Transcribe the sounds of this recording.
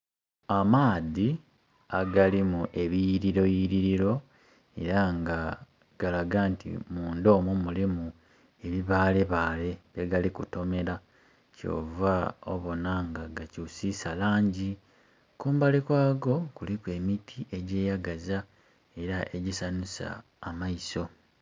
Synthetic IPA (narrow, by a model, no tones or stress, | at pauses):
amaːði | aɡalimuʔe̞βijiɾiɾo̞jiɾiɾiɾo̞ | e̞̰ɾaŋɡa | ɡ̥alaɡaːntḭmuːndo̞ːmumulimu | e̞βiβaːle̞βaːle̞βeɡalikuto̞me̞ɾa | co̞̰ːvao̰βo̞naŋɡaɡacusisalaːɲɟi | kuːmbalekwaːɡo̞kulikwe̞ːmitʰiʔe̞ɟe̞ːjaɡaza | e̞ɾaʔe̞ɟisanusa̰ː | maiso̞